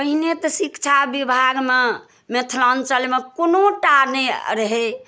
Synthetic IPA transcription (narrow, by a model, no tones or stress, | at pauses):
pəɦinet̪ɔsikt͡ʃʰabibʱaɡme | met̪ʰlant͡ʃəlmekonoʈaneɾəɦe